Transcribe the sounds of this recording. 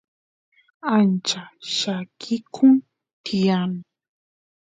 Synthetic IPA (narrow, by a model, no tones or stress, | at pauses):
ant͡ʃaʃakʰɪkʰʊŋ | t̪ʰɪjanɪ